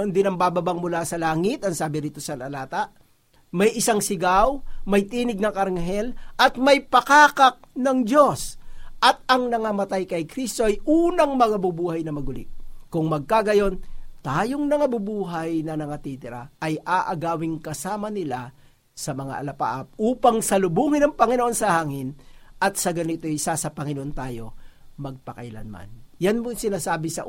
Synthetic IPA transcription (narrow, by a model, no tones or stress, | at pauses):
ond̪ɪnɐmbaːbɐbaŋmʊlasɐlaːŋɪt̪ɐŋsaːbɪɾiːt̪osɐlɐlaːt̪ɐ | mɐjʔɪsaŋsɪɡawmɐjt̪iːnɪɡ̚nɐŋʔɐɾŋɦɛlʔɐt̪mɐjpɐkaːkɐk̚nɐŋd͡ʒo̞sʔɐt̪̚ɐŋnɐŋɐmɐt̪ajkɐjkɾist̪o̞ʔɐjʔuːnɐŋmɐŋabubuːhɐjnɐmɐɡʊlɪ̰ʔkʊŋmɐɡ̚kaɡɐjo̞nt̪aːjoŋnɐŋabubuːɦɐjnɐnɐŋɐt̪it̪ɪɾɐʔɐjʔaːʔɐɡaːwɪŋkɐsaːmɐnɪla | sɐmɐŋa̰ʔɐ̰lɐpa̰ːʔɐp̚ʔuːpɐŋsɐlʊbuːŋɪnɐŋpɐŋɪnoʔo̞nsɐhaːŋɪnʔɐt̪̚sɐɡɐnɪt̪ojɪsasɐpɐŋɪnoʔont̪aːjo̞mɐɡ̚pɐkɐ̰jlɐ̰nma̰njanmoŋsɪnaːsaːbɪsɐ̰